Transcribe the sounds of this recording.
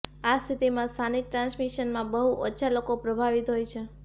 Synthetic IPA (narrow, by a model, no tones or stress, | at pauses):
ast̪ʰit̪imãst̪ʰanik̚ʈɾãnsmiʃənmãbəɦuʔətːʃʰalokopɾəbʱaʋit̪ɦojt͡ʃʰe